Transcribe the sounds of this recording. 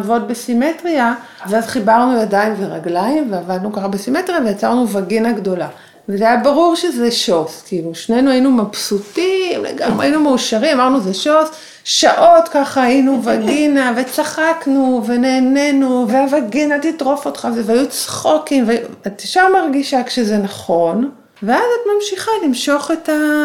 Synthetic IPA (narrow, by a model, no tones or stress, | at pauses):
vo̞t̚be̞sime̞tʁia | veazχibaʁnujadaimveʁaɡlaimveavad̪nukaχabesime̞tʁijavejat͡saʁnuvaɡinaɡdo̞la̰ | vezajabaʁuʁʃezeʃoskiluʃnenuajinumapsutimlḛɡa̰ma̰inumeuʃaʁimamaʁnuzeʃo̞s | ʃaʔo̞tkaχaːinuvaɡinave̞t͡saχaknuve̞ne̞ːne̞nuveavaɡinat̪itʁo̞fotχavevajut͡sχo̞kimveajuatiʃaʁmaʁɡiʃakʃeze̞naχo̞n | veazat̪mamʃiχalimʃo̞χe̞ta